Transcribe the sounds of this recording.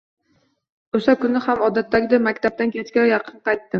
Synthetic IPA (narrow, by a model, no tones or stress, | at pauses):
oʃakʊnɪhamɒd̪at̪ʰːaɡʲɪd̪amakʲt̪ʰab̚t̪ankʲʰet͡ʃkʲajɑqʰɨnqɑjt̪ːɪ